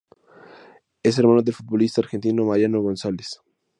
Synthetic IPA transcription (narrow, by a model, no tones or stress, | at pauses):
es̬eɾmãnoðelfut̪̚βolist̪aɾxent̪inomaɾjanoɣonsales